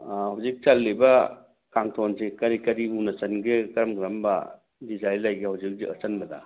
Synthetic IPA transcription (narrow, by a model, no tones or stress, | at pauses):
hawzik̚t͡ʃalːiba | kaŋtʰɔnsekɐɾikɐɾiunasɐnɡekɐɾɐmɡɾamba̰ | dizajlajɡehawzik̚ziət͡ʃɐnbɐda̰